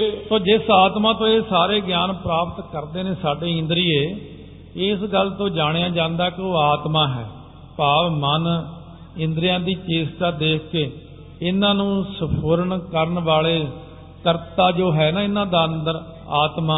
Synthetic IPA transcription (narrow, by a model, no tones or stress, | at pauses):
soːd͡ʒɪsaːt̪mãːt̪õːeːsaːɾeːɡjaːnpɾaːpət̪kəɾd̪eːneːsaːɖeːɪ̃nd̪əɾiːeː | ɪsɡəlt̪õːd͡ʒaːɽ̃ejãːd͡ʒãːnd̪aːkeoːaːt̪mãːɦɛ̰ː | paːʋmən | ɪ̃nd̪ɾijãːd̪iːt͡ʃeːst̪aːd̪eːkʰkeː | ɪnãːnũːsəpʰoːɾəɳkəɾənʋaːɭeː | kəɾt̪aːd͡ʒoːɦɛːnãːɪnãːd̪aːənd̪əɾ | aːt̪maː